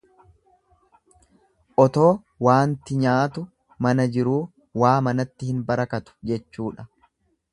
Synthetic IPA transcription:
ʔɔt̪o̞ː | waːnt̪ɪɲaːt̪ʊ | mɐnɐd͡ʒɪɾuː | waːmɐnɐt̪ːɪhɪnbɐɾɐkɐt̪ʊ̥d͡ʒɛt͡ʃːuːᶑɐ

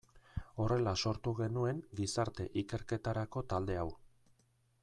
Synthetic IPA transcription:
o̞re̞laso̞ɾt̪uɣe̞nue̞ŋɡisaɾt̪e̞ʔike̞ɾke̞t̪aɾako̞t̪ald̪e̞aw

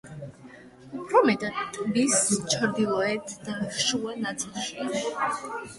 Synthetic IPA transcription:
upʰɾɔmɛt̪ʼat̪ʼbist͡ʃʰɾd̪ilˠɔɛt̪ʰd̪̥afʃuanat̪sʼilˠʃia

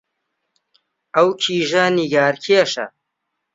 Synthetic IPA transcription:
ɐwkʰiːʒɐniɡaːɾkʰiɐʃɐ̰

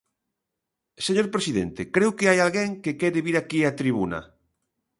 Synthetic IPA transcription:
seɲoɾpɾesiðent̪ekɾewkeajalɣeŋkekɛɾeβiɾakiat̪ɾiβunɐ̰

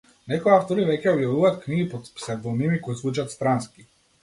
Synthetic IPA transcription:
nɛkoiaft̪ɔɾivɛcʲɛobjavuvaːt̪kniɡipot̪psɛvɔnimikoisvˠut͡ʃat̪st̪ɾanskʲi̥

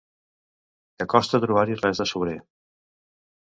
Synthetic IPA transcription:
kakɔst̪at̪ɾuβaɾirɛzəsuβɾe

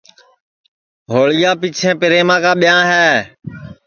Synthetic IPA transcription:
ɦoːɭɪjaːpiːt͡ʃʰẽːpɪɾeːmãːkãːɓɪjãːɦɛː

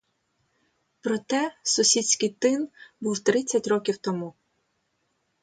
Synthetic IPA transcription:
pɾɔt̪ɛsɔsʲit͡ssʲkɪjt̪ɪnbuwt̪ɾɪt͡sʲːɐtʲɾɔkʲiwt̪ɔmu

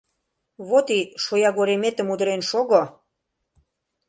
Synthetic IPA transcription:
βot̪iʃojɑɣoɾemet̪ə̆mud̪əɾenʃoɣo

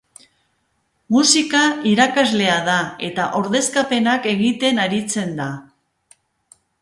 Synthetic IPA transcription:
musikaiɾakazle̞aðae̞t̪aʔoɾðe̞skape̞nake̞ɣit̪e̞naɾit͡se̞nd̪a

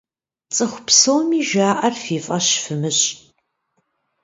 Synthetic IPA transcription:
t͡sʼɨχʷʊpsowmiːʒaːʔɐrfiːfʼɐɕfɨmɨɕʼ

